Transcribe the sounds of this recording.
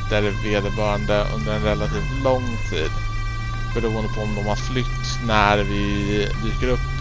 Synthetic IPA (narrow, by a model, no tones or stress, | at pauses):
t̪æɾveːd̪əbœːɾaɳd̪əʔɵ̰nd̪əɾɛnɾɛlːat̪ʰiːft̪lɔŋː | t̪ʰiːd̪ | bɛɾuːənd̪əpʰɔːmd̪ɔmhaɾflʏt̪ː | næɾvɪd̪yːkəɾɵpː